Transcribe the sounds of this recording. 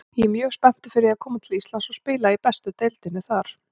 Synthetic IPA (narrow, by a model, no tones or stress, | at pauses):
jɛɛmjœːɣspɛn̥t̪ɪ̥fɪɾɪjɛakʰɔːmat̪ʰɪlist̪lansɔspɪːlaipɛst̪ʏt̪ejlt̪ɪnːɪθaɾ̥